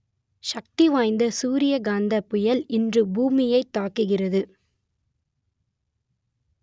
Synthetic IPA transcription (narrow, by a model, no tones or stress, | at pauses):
ʃɐk̚t̪iʋaːjnd̪ɐsuːɾɪjɐɡaːnd̪ɐpʊjɐlɪndrɯbuːmɪjɐɪt̪ːaːkːɯɣɪrɐðɯ